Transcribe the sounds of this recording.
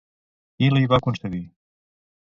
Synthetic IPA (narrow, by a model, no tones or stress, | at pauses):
iliβakunsəɣi